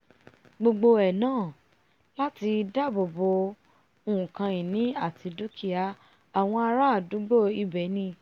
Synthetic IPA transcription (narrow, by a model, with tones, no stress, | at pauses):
ɡ͡bo˧ɡ͡bo˧ɛ˨nãː˦˨ | la˦ti˧da˦˨bo˨bo˧ | o˧ũ˨kã˧i˨nĩ˨˦a˦˨ti˧du˦ki˦a˧ | a˨w̃ɔ̃˧a˧ɾa˦˨du˨˦ɡ͡bo˦˨i˧bɛ˨˦nĩ˧